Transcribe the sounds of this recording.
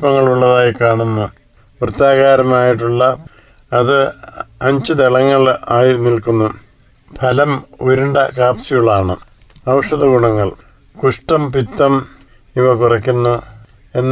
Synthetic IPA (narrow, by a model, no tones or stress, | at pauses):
pːɐŋːɐɭuɭːɐðaːjikaːɳunːu | ʋrɨt̪ːaːɣaːɾɐmaːjiʈːuɭːɐ | ɐðɨɐɲt͡ɕɨd̪eɭɐŋːɐɭaːjinilkunːu | pʰɐlɐmoɾuɳɖɐkaːpsijuɭaːɳɨ̰ | ɐwʂɐðɐɡuɳɐŋːɐɭ | kuʂʈɐmpit̪ːɐm | iʋɐkurɐkʲːunːu | e̞nː